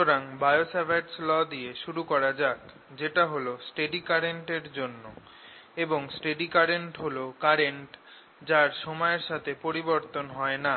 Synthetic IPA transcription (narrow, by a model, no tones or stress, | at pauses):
oɾaŋbajosabeʈslɔd̪ieʃuɾukɔɾad͡ʑak | d͡ʑeʈaɦolosʈeɖikaɾeɳʈeɾd͡ʑonːo | eboŋsʈeɖikaɾeɳʈɦolokaɾeɳʈ | d͡ʑaɾʃɔmɔeɾʃat̪ʰepoɾiboɾt̪onɦɔena